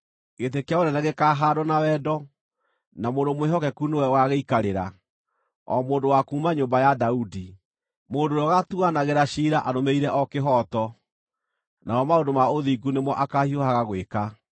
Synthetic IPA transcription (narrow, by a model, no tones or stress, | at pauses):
ɣetekjaonɛnaɣekaɦaɾɔnawɛːdɔ | namoːndomweɦɔkɛkunowɛwaɣeikaɾeɾa | ɔ̰moːndowakuːmaɲoːmbajadaudi | moːndoɾɔɣatuanaɣeɾaɕiːɾaʔaɾomeiɾɛʔɔkeɦɔtɔ | naɔmaondomaoðiːɡunemwɔʔakahiohaɣaɣweka